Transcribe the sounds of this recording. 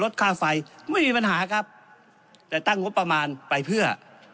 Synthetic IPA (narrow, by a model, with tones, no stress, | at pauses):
lo˦˥t̪̚kʰaː˥˩fa˧jmː˧˥˩miː˧pa˧nɦaː˨˩˦kʰa˦˥p̚ | t̪ɛː˧˩t̪a˥˩ŋo˦˥pːa˧maː˧npa˧jpʰɯ˥˩ɐ